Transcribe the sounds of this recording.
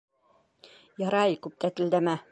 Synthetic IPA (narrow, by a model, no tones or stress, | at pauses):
jɑɾɑjkʉp̚t̪æt̪ɘ̆ld̪æmæ